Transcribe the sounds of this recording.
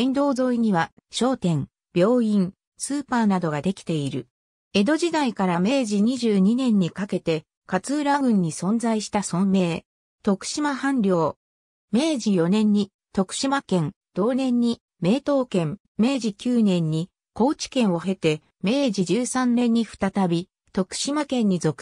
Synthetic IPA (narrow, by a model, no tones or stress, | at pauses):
ẽnd̪o̞ːzo̞iɲ̟iβa | ɕo̞ːt̪ẽ̞ŋ | b̥ʲjo̞ːĩŋ | sɨːpaːnad̪o̞ɡad̪e̞kʲi̥t̪e̞iɾɯ̟ | e̞d̪o̞ʑid̪aikaɾame̞ːʑiɲ̟iʑɨːɲ̟inẽ̞ɲ̟ːikake̞t̪e̞ | kat͡sɨːɾaɡɯ̟̃ɲ̟ːisõ̞nzaiɕi̥t̪asõ̞mːe̞ː | t̪o̞kɯ̟̥ɕimahãnɾʲo̞ː | me̞ːʑijo̞nẽ̞ɲ̟ːi | t̪o̞kɯ̟̥ɕimakẽ̞nd̪̥o̞ːnẽ̞ɲ̟ːi | me̞ːt̪o̞ːkẽ̞m | me̞ːʑikʲɨːnẽ̞ɲ̟ːi | ko̞ːt͡ɕi̥kẽ̞ɰ̃o̞ɦe̞t̪e̞ | me̞ːʑiʑɨːsãnnːẽ̞ɲ̟ːiɸɯ̟̥t̪at̪abʲi | t̪o̞kɯ̟̥ɕimakẽ̞ɲ̟ːizo̞kɯ̥